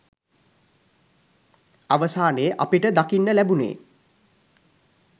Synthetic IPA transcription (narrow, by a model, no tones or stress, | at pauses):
aʋəsaːnəəʔapiʈəd̪akinːəlæbunḛː